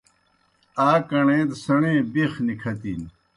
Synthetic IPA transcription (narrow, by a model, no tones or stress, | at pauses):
aːkɐɳẽːt̪sɐɳẽːbexnikʰɐt̪in